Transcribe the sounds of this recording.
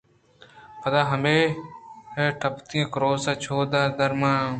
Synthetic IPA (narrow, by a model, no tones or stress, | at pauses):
pʰəd̪aːɦəmeːheʈʰəpt̪ĩẽːkɾoːsaːt͡ʃʰoːd̪aːd̪əɾmãː